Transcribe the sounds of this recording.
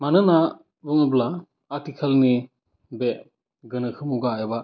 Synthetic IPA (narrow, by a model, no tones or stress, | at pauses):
manɯna | buŋɯblaː | tikʰalni | be | ɡɯnɯkʰɯmuɡaeba